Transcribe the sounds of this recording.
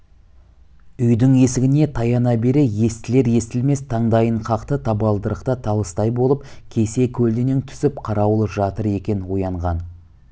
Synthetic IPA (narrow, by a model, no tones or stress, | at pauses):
ʏjd̪ɪŋe̞sɪɡʲɪne̞t̪ʰɑjɑnɑbe̞ɾeje̞st̪ɪle̞ɾje̞st̪ɪlme̞st̪ʰɑɴd̪ɑjəɴqʰɑqt̪ət̪ʰɑbɑlˠd̪əɾəqt̪ət̪ʰɑlˠəst̪ɑjbo̞lˠəp̚kʲʰe̞se̞kʲʰɵld̪eneŋt̪ʰʏ̥sɪpqʰɑɾɑwəlˠəpʒɑt̪əɾe̞kʲe̞nwojɑɴʁɑn